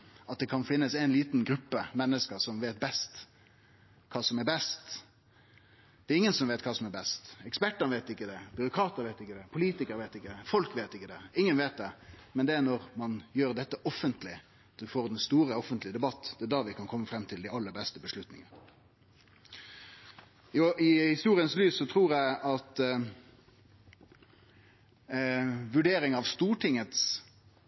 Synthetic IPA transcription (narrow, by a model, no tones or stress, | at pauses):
ɑt̪̚d̪ɛkʰɑnfɪnːəsæɪnliːt̪nɡɾʉpːəmɛnːəskəɾsɔmʋeːt̪̚bɛst̪ | kʰɑːsɔmɛbɛst̪ | d̪̥ɛːɾɪŋːənsɔmʋeɪt̪̚kʰɑːsɔmɛɾbɛst̪ɛkspæʈːənəʋeɪt̪ɪkːəd̪ɛbʏɾʊkʰɾɑːt̪əɾʋeɪt̪ɪkːəd̪ɛpʰʊliːt̪ɪkəɾʋeɪt̪ɪkːəd̪ɛfɔlkʋeːt̪ɪkːəd̪ɛɪŋːənʋeːt̪̚d̪ɛmɛnd̪ɛænɔʁmɑnjøːʁd̪ɛt̪ːəʔɔfːənt̪lɪ | d̪̥ʉfoːʁd̪ɛnst̪uːɾəɔfənt̪lɪəd̪ɛbɑt̪ːd̪ɛæd̪ɑʋɪkʰɑnkʰɔmːəfɾɛmːt̪ʰɪld̪æɪɑlːəɾbɛst̪əbəʂlʉt̪nɪ̰ŋə | ɪhɪst̪uːɾɪənslyːssɔt̪ʰɾuːɾjæɪɑt̪ | ʋʉɖeːɾɪŋɑʋst̪uːʈʰɪŋət̪s